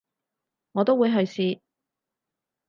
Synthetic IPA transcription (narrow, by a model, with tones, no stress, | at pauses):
ŋɔː˨˧t̪o˥wuː˨˧jɦɵ˨˧ɥsiː˧